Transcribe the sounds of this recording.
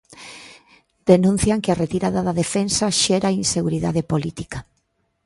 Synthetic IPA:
d̪̥enũn̟θjaŋkɪaret̪iɾaðaðaðefensaʃɛɾainseɣuɾiðaðepolit̪ika

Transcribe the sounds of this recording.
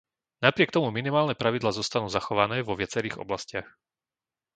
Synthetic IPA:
napɾɪɛkt̪ɔmuminimaːlnɛpɾaʋid̪laːzɔst̪anuːzaxɔʋanɛːʋɔʋɪat͡sɛɾiːɣɔ̰blascɪax

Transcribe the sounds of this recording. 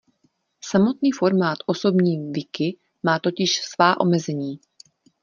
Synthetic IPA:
samo̞t̪niːfo̞ɾmaːt̪ʔo̞so̞bɲiːvɪkɪ | maːt̪o̞cɪʃsvaːʔo̞̰mɛzɛɲiː

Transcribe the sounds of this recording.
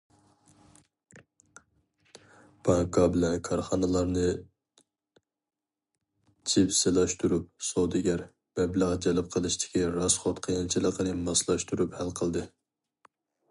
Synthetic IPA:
b̥ɑŋkʰɑbɪlɛnkʰɑɾχɑnɨlˠɑɾnɨ | t͡ʃʰipselˠɑʃt̪uɾup̚sod̪ɪɡʲæɾ | b̥ɛbləʁd͡ʒɛlɨp̚qʰəlˠɨʃt̪ʰɪ̥kʲiɾɑsχot̪qʰəjɑnt͡ʃʰilˠəqənɨmɑslˠɑʃt̪uɾuphælqʰəlˠd̪ɨ

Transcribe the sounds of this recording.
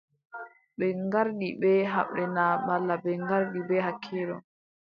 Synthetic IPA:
ɓɛŋɡaɾɗiɓɛɦa̰ɓːɛnamalːabɛŋɡaɾɗibɛhakʰːiːɗɔ̰

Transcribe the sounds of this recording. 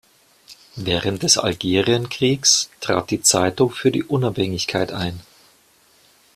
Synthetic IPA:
vɛːʁənt̚d̥ɛsa̰lɡeːʁiənkʁ̥iːkstʁ̥a̰ːt̚d̥iːt͡saɪtʊŋfyːɐdḭːʔʊnaphɛŋɪçkʰaɪtʔaɪn

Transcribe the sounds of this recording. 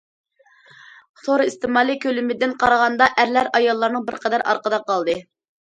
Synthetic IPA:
t̪ʰoɾist̪ɨmɑːlˠikʲʰølymɪd̪ɪnqʰɑɾəʁɑnd̪ɑʔæɾlæɾɑjɑlˠːɑɾnɨŋbɪɾqʰɑd̪æɾɑ̰ɾqəd̪ɑqɑlˠd̪ɨ

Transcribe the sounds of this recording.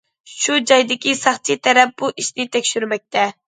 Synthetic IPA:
ʃud͡ʒɑjd̪ɪkʲisɑχt͡ʃʰit̪ʰɛɾɛp̚buʔiʃnɪt̪ʰɛkʲʃyɾmɛk̚ʲt̪ʰɛ

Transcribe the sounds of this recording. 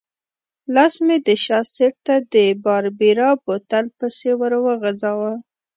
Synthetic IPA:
lɑsmed̪əʃɑseʈ̚t̪ad̪əbɑɾbiɾɑbot̪alpəsewəɾwəɣazɑwə

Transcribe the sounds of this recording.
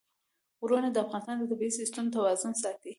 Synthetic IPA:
wɾunad̪əafɣɑnɪst̪ɑnd̪ət̪abiisist̪amt̪awɑzʊnsɑt̪i

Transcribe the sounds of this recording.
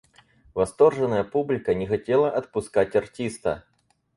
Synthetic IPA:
vɐst̪o̞rʐɨnːəjəpublʲɪkənʲɪxɐtʲelˠəʔɐt̪̚pʊskatʲɐrtʲist̪ə

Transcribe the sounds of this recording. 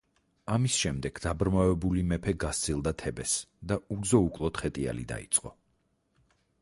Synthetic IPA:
amisʃɛmd̪ɛɡ̥d̪abɾmavɛbulimɛpʰɛɡast̪sʰilˠd̪at̪ʰɛbɛsd̪auɡzɔukʼlˠɔt̪χɛt̪ʼia̰lḭd̪a̰ḭt̪sʼqʼɔ

